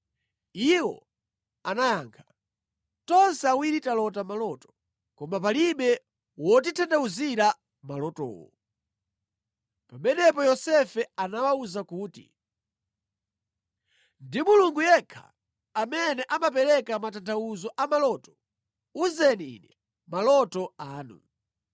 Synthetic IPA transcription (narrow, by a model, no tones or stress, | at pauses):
iwɔ̰ | anajaːŋkʰḁ | tɔnsɛawiɾitalɔtamalɔtɔ̥ | kɔmap̬aliɓɛ | wɔt̬itʰandauziɾa | malɔtɔ̰ːwɔ̰ | pamɛnɛpɔjɔsɛfɛanawauzakuːtḭ | ndimuluŋɡujɛkʰa̰ | amɛnɛʔamapɛɾɛkamatantʰauzɔʔamalɔtɔ̥ | uzɛniḭnɛ | malɔtɔaːnṵ